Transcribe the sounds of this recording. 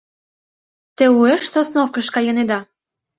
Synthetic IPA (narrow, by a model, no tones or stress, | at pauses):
t̪ĕueʃsosnofkə̆ʃkɑjɤ̆ned̪ɑ